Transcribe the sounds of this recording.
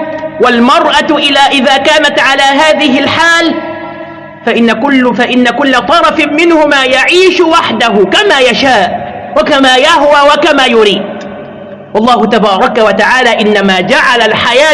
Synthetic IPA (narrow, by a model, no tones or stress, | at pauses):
walmɑɾˤʔaʔɪlaːʔɪðaːkaːnat̪ʕalaːɦaːðɪɦɪlħaːl | faʔɪnːakʊlːfaʔɪnːakʊlːat̪ˤɑɾˤɑfmɪnhʊmaːjaʕiːʃwaħd̪aɦʊkamaːjaʃaːʔwakamaːjahwaːwakamaːjʊɾiːd̪̚ | wɑlˤːɑːhʊt̪abɑːɾˤɑkawat̪aʕaːlaːʔɪnːamaːd͡ʒaʕalalħajaː